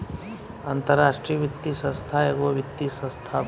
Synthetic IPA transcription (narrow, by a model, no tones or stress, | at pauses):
ant̪əɾːaːʂʈɾijəʋɪt̪ːisə̃st̪ʰaeɡʋoʋɪt̪ːisə̃st̪ʰa